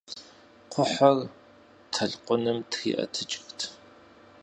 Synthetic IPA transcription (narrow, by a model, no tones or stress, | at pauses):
qʷʰʊħɐr | tʰɐɮqʷʊnɨmtʰxḭʔɐ̰tʰɨt͡ʃʼɪxtʰ